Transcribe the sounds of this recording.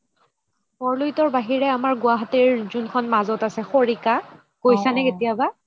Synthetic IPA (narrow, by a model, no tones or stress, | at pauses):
mɔɹlujtɔɹbaɦiɹɛamaɹɡʊaɦatiɹzunkʰɔnmazɔtasɛxoɹika | kojsanɛketijaba